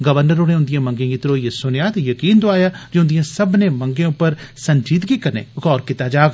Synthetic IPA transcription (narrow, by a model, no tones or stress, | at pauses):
ɡəʋəɾnəɾoɽẽːʊnd̪ɪjãːmə̃ŋɡẽːɡɪt̪ɾoːiesʊnjaːt̪jəkiːnd̪oaːjaːd͡ʒeʊnd̪ɪjãːsəbnẽːməŋɡẽʊpːəɾsənd͡ʒiːd̪ɡiːkəɾnḛːɣɔːɾkɪt̪aːd͡ʒaːɡ